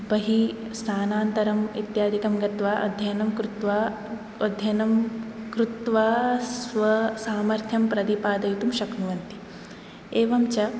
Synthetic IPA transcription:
bɐɦisnʰaːnaːnt̪ɐɾɐmḭt̪jaːd̪ikɐmɡɐt̪ʋaːʔɐ̰d̪ʱjɐjnɐmkɾut̪ʋaː | ɐd̪ʱjɐnɐmkɾut̪ʋaːssʋɐsaːmɐɾt̪ʰjɐmpɾɐd̪ipaːd̪ɐjut̪umʃɐknuʋɐnt̪i̥ | eːʋɐmt͡ʃɐ

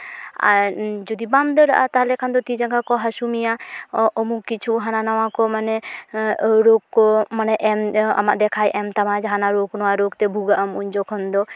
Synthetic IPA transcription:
a̰ɾd͡ʒɔd̪ibamd̪əɾaʔat̪aɦalɛkʰand̪ɔt̪id͡ʒaŋkakɔɦasumijaɔmukit͡ʃʰuɦananawakɔmanɛ | ɾoɡkɔmanɛʔɛma̰maʔd̪ɛkʰajʔɛmt̪amad͡ʒɦanaɾoɡnɔwaɾoɡt̪ɛbʱuɡaʔamuɲd͡ʒɔkʰɔnd̪ɔ

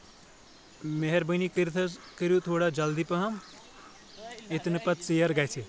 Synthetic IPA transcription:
meɦeɾbənikiɾt̪ʰɐkiɾjut̪ʰoːɽad͡ʒɐld̪ipɐɦɐm | et̪nɨpɐt̪sijɐɾɡajt͡sʰi

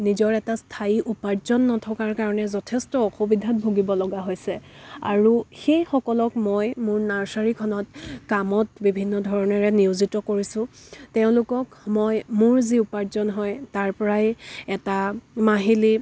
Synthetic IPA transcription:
nizɔɹɛtastʰaiʔupaɹzɔnːɔtʰɔkaɹkaɹɔnɛzɔtʰɛstɔɔxubidʱat̚bʱoɡibɔlɔɡaɦojsɛa̰ɹuxejxɔkɔlɔkmojmʊɹnaɹsaɹikʰɔnɔtkamɔtbibʱinːɔdʱɔɹɔnɛɹɛniuzitɔkoɹisʊ̃teʊ̃lʊkɔkmɔjmʊɹziupaɹzɔnɦɔjtaɹpɔɹajɛtamaɦili

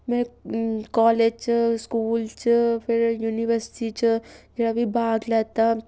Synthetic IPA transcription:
mɛ̃kɔːleːd͡ʒt͡ʃskuːlt͡ʃpɪɾjuːniʋəɾsɪ̥ʈit͡ʃd͡ʒɐɽabʱibʱaːɡlɛːt̪a

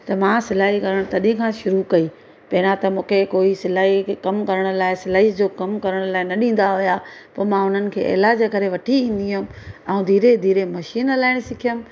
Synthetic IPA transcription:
t̪ɐmãːsɪlaːɦikɐɾəɽ̃t̪ɐɗĩʊ̃kʰãːʃʊɾukɐi | pɐnãt̪ɐmũːkʰekoːisɪlaːɦikɐmkɐɾəɽ̃ʊlaːɪsɪlaːɦid͡ʑoːkɐmkɐɾəɽ̃ʊlaːɪnɐɗĩːn̆d̪aɦʊja | poːmãʊn̤ənɪ̆kʰḛːʔḛːlaːd͡ʑekɐɾeʋɐʈʰiĩːn̆d̪iɦʊ̃m̆ɛũd̪ʱiːɾed̪ʱiːɾemɐʃiːnlaːɪñɪsɪkʰijʊm̆

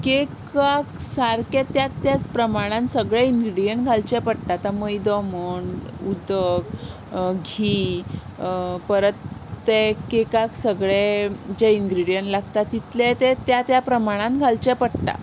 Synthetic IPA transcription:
kekaksaɾket̪ːjat̪ːjat͡spɾəmaɽ̃ãnsəɡɭɛiŋɡɾiɽijəɳʈ̚ɡʱalt͡ɕɛpəɽʈ̪at̪aməjd̪ɔməɳud̪əɡ | ɡʱiː | pəɾət̪ːekekaksəɡɭed͡ʑɛinɡɾiɽijənʈlaɡt̪at̪ːit̪lɛt̪ɛt̪jat̪japɾəmaɽ̃ãnɡʱalt͡ɕɛpəɽt̪a̰

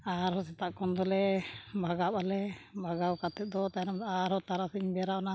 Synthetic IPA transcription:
aɾɦɔsɛt̪aʔkɔnd̪ɔlɛbʱaɡaɓalɛbʱaɡawkat̪ɛt̪̚d̪ɔt̪anamd̪aɾɦɔt̪aɾasiɲbɛɾawna

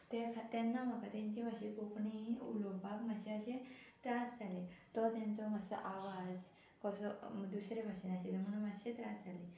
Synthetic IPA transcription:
t̪ekʰat̪ɛnːaməkat̪ãɲt͡ɕibaɕekopɳiṵlobʱaɡmaɕẽaɕet̪ɾasd͡zʱalet̪ɔt̪jãnt͡sɔmasɔ̰ʔaʋad͡z | kɔɾsɔd̪usɾebʱaɕənaɕet̪əm̤ənamaɕẽt̪ɾasd͡zʱale

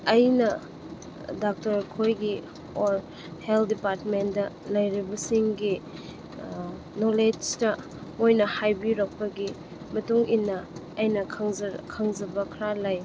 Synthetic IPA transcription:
ɐjnɐ | dak̚tɐɾkʰojɡi | oɾ | heldipaɾtmendɐlɐjɾibɐsiŋɡi | noled͡ʒtɐ | mojnɐhajbiɾɐk̚pɐɡi | mɐtuŋʔinːɐː | jnɐkʰŋkʰaŋzɐbɐkʰɾalaj

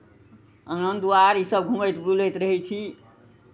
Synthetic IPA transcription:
ənənd̪uaɾisəbɡʱũməjt̪bulət̪ɾəɦɛt͡ʃʰi

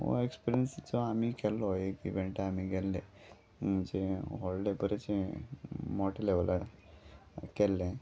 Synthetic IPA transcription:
o̰ekspiɾiənsit͡sɔamikɛlːɔjekiʋeɳʈaamiɡɛlːe | d͡ʑeɦɔllebəɾet͡ɕe | mɔʈleʋla | kɛlːẽ

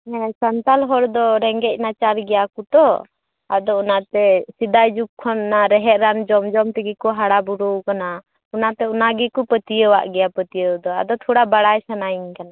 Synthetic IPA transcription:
ɛ̃sant̪alɦɔɾd̪ɔɾɛŋɡɛc̚ˀnat͡ʃaɾɡɛjakut̪ɔ | a̰d̪ɔɔnat̪ɛsid̪ajd͡ʒuk̚kʰːɔnːaɾɛɦɛʔ̪̚ɾand͡ʒɔmd͡ʒɔmt̪ɛɡikɔɦaɽabuɽuwkana | ɔnat̪ɛunaɡikupət̪ijəwa̰ʔɡɛjapət̪ijəwd̪ɔa̰d̪ɔt̪ʰɔɽabaɽajsanaiɲkana

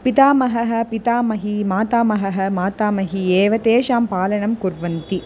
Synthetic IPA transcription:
pit̪aːmɐɦɐɦɐ̆pit̪aːmɐɦimaːt̪aːmɐɦɐɦɐ̆maːt̪aːmɐɦieːʋɐt̪eːʃaːmpaːlɐɳɐmkuɾʋɐnt̪i

